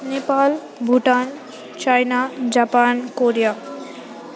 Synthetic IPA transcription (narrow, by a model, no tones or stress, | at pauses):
nepal | bʱuʈan | t͡ɕajnad͡ʑapankoɾija